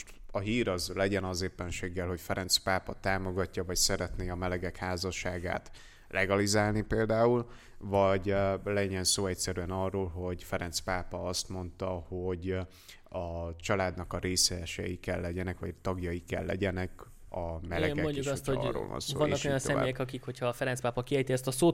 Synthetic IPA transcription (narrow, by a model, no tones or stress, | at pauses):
oʃt̪ɒɦiːɾɒzlɛɟɛnɒzeːpːɛnʃeːɡːɛlho̞cfɛɾɛnt̪spaːpɒt̪aːmo̞ɡɒcːɒvɒcsɛɾɛt̪neːɒmɛlɛɡɛkhaːzɒʃaːɡa̰ːt̪ | lʔɛɡɒlizaːlnipeːld̪aːul | vɒɟlɛɲɛnsoːɛcsɛɾyɛnɒrːoːlɦo̞ɟfɛɾɛnt̪spaːpɒɒst̪mo̞nt̪ɒho̞ɟ | ɒt͡ʃɒlaːd̪nɒkɒɾeːsɛɛʃɛ̰jikɛlːɛɟɛnɛkʋɒ̰t̪ɒɡjɒjikɛ̰lːɛ̰ɟɛnɛk | ɒmɛlɛɡɛmoɲɟuʃɒot̪o̰ro̰ːlvɒ̰nsːɒnːɒkojɒnsɛm̰ːjɛkɒkikho̞cʰhɒfɛɾɛntspaːpɒkiɛjt̪iɛst̪ɒsoː